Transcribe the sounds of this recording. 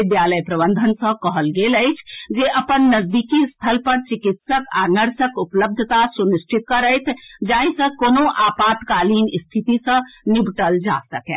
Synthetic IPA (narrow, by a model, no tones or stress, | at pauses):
d̪jaːləjpɾəbə̃nd̪ʱənsə̃kɔɦəlɡeləjt͡ʃʰd͡ʒeʔɐpənːəzd̪iːkist̪ʰəlpəɾt͡ʃɪkɪt̪səka̰ːnəɾsəkʊpləb̚d̪ʱət̪asunɪsʈʰɪt̪̚kəɾəjt̪ʰd͡ʒaːĩsə̃koːnõʔaːpaːt̪kaːliːnɪst̪ʰit̪isə̃nɪbʈəld͡ʒa̰ːsəkɛ̃ː